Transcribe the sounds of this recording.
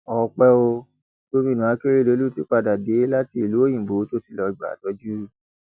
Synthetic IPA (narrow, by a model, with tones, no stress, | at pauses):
ɔ˧˨˧k͡pɛ˦o˧ | to˦mĩ˦˨nũ˨a˨˦ke˦ɾe˦˨lo˨˦lu˦ti˦k͡pa˧˨da˨de˨˦la˦ti˦˨lu˨˦o˦j̃ĩ˨bo˨˦to˦ti˦˨lɔ˧i˨ɡ͡ba̰˨tɔ˦d͡ʒu˦